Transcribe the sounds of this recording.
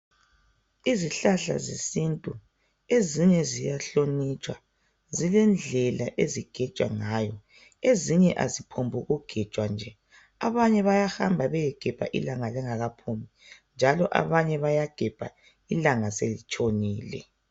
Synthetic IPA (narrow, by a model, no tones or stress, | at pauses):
iziɬaɬa̰zisintʼu | eziɲɛzijaɬonit͡ʃʰʼwa | zilɛnd͡ɮʱɛlaʔeziɡ̥ʱɛ̥ʒ̥ʼʱwa̰ŋajɔ | eziɲɛʔazipʰombʱuɣuɡ̥ʱɛd̥t͡ʃʼwand͡ʒʱɛ | aβaɲɛβajahambʱaβɛjɛɡ̥ʱɛb̥ʱa̰ʔḭlaŋalɛŋaɣapʰumi | nd͡ʒʱalɔʔa̰βaɲɛβajaɡ̥ʱɛb̥ʱa̰ | ilaŋaselit͡ʃʼoniːlɛ̰